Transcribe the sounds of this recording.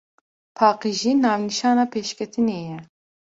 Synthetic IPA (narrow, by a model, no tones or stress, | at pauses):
pʰɑːqiʒiːnɑːvniʃɑːnɑːpʰeːʃkʲʰɛt̪ʰɨneːjɛ